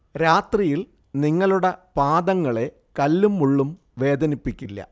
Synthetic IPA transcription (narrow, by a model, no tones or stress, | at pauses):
ɾaːt̪rijil | niŋːɐɭuɽepaːd̪ɐŋːɐɭe̞ | kɐlːumːuɭːum | ʋe̞ːd̪ɐnipːikʲːilːɐ̰